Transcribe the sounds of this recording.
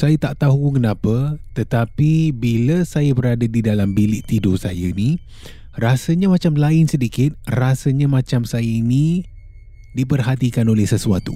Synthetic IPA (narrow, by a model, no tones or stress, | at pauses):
sajat̪aʔt̪aɦukənãpət̪ət̪apibiləsajabəɾadədidalambilɪʔt̪idosajaini | rasəɲamãt͡ʃamlaɪnsədikɪt̪̚rasəɲamãt͡ʃamsajəini | dip̬ərɦat̪ikanolɛhsəsuat̪u